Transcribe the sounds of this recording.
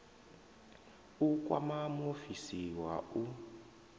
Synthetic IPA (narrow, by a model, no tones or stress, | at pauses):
uk̬ʼwa̰mamofisiwau